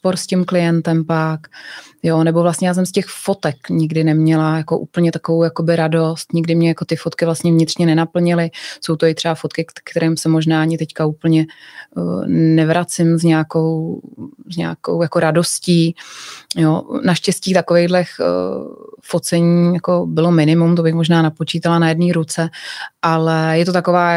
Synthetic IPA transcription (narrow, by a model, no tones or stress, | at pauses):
poɾscɪmklɪjɛnt̪ɛmpakjonɛbo̞vlast̪ɲɛjaːs̬ɛmscɛxfo̞t̪ɛkɲɪɡdɪnɛmɲɛlajako̞ʔṵːpl̩ɲɛt̪akovowjakobɪɾado̞st̪ɲɪɡdɪmɲɛjako̞t̪ɪfot̪kɪvlast̪ɲɛvɲɪt̪rɲɛnɛnapl̩ɲɪlɪso̞wt̪o̞ɪt̪r̝̥ɛbafo̞t̪kɪkkt̪ɛɾʔɛːmsɛmo̞ʒnaːaɲɪt̪ɛckauːpl̩ɲɛ | nɛvɾat͡sɪmzɲaako̞w | zɲa̰aːko̰wjako̞ɾado̞sciː | jonaʃcɛsciːt̪akovɛjɣdlɛx | fot͡sɛɲiːjako̞bɪlo̞mɪnɪmumt̪obɪxmo̞ʒnaːnapo̞t͡ʃiːt̪alanajɛdniːɾut͡sɛʔalɛjɛt̪ot̪ako̞vaː